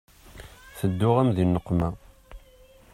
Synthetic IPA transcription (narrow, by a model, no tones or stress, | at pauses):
θəd̪ːʊʁæmðinːəqːmæ